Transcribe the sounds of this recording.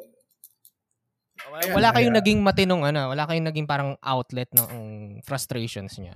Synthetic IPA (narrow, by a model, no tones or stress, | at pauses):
wɐlaːkɐjoŋnɐɡɪŋmɐt̪ɪnoŋʔɐnowɐlaːkɐjoŋnɐɡɪŋpaːɾɐŋʔa̰wt̪lɛt̪̚nɐʔɐŋfɾɐst̪ɾeːʃonsɲa̰